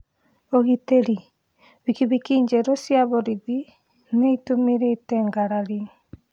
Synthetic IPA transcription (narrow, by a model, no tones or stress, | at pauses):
oɣiteɾi | βikiβikiɲd͡ʒɛɾosjaβɔɾiði | neitumiɾeitɛŋɡaɾaɾiŋ